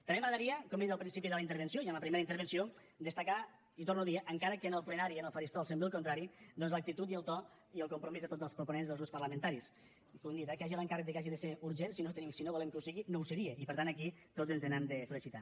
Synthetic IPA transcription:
t̪əmemaðəɾiəkomenzəlˠpɾinsipiðəlɐint̪əɾβənsioiənləpɾimeɾəint̪əɾβ̞ənsio | d̪əst̪aka | it̪ornuðiəʔəŋkaɾəkənəlˠplənaɾiənəlˠfəɾist̪ɔlˠsemblilˠkunt̪ɾaɾid̪ɔnzlək̚t̪it̪ut̪iəlˠt̪ɔ | iəlˠkumpɾumizðət̪od͡zəlˠspɾupunenzðəlˠzɣɾupspɐrləmə̃nt̪aɾis | kund̪it̪akaʒiləŋkarək̚d̪əkaʒiðəseɾuɾʒensinot̪enimsinoβulɛmkəusiɣinowsəɾieʔipəɾt̪anəkit̪ozənzənɛmd̪əfəlisit̪a

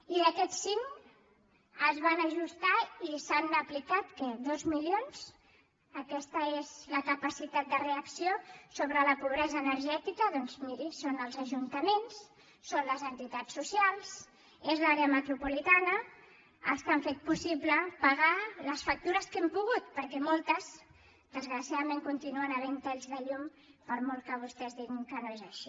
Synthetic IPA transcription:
iəkɛt̪siŋ | əzβanəʒust̪aisanəplikat̪kəðozmiljons | əkɛst̪əezləkəpəsit̪at̪̚d̪əreəksiosoβ̞ɾələpuβ̞ɾɛzəːnəɾʒɛt̪ikəðɔnzmiɾisonəlˠzəʒunt̪əmens | sːonləzənt̪it̪at͡sːusijalˠs | ezlaɾeəmət̪ɾupulit̪anə | ə̰st̪aɱfet̪̚pusipləpaɣaləsfək̚t̪uɾəskɛmpuɣ̞ut̪̚pəɾkɛmolˠt̪əz | d̪̥əzɣɾəsiaðəmẽŋkunt̪inuənəβɛnt̪ɛʎzðəʎum | pəɾmɔlˠkəβ̞ust̪ɛzðiɣiŋkənoezəʃi̥

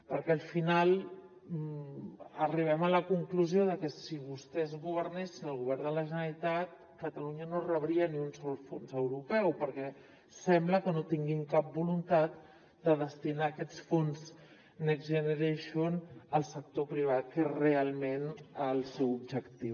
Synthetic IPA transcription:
pəɾkɛəlˠfinalˠ | əriβ̞ɛmələkuŋkluzioðəkəsiβust̪ɛzɣuβ̞əɾnesinəlˠɣuβ̞ɛɾd̪ələʒənəɾit̪at̪̚ | kət̪əluɲənorəβɾiəniunsɔlˠfonzəwɾupɛwpəɾkɛ | sɛmbləkənot̪iŋɡimkap̚bulunt̪at̪̚ | d̪əðəst̪inaːkɛsfonz | nɛkzʒənəɾeʃonəlˠsək̚t̪opɾiβ̞at̪̚kerealˠmenəlˠsɛwubʒəkt̪iw

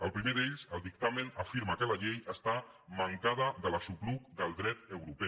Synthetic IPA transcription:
əlˠpɾimeðeʎsəlˠd̪ik̚t̪amənəfiɾməkələʎejəst̪aməŋkað̞əðələsukluk̚d̪əlˠd̪ɾɛt̪əwɾupɛ

